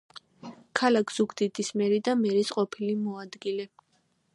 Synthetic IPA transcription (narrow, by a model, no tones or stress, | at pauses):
kʰalakʰz̥uɡʰd̪id̪ismɛɾid̪amɛɾisqʼɔpʰilimɔad̪ɡilɛ